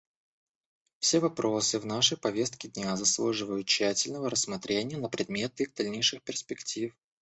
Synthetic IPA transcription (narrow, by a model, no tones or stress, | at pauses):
fsʲevɐpɾʔo̞sɨvnaʂəjpɐvʲe̞st̪̚kʲɪdʲnʲazɐslˠuʐɨvəjʊt̪̚ɕːætʲɪlʲnəvəɾəsːmɐt̪ɾʲʔenʲɪjənəpɾʲɪd̪̚mʲe̞t̪iɣd̪ɐlʲnʲejʂɨxpʲɪrspʲɪktʲif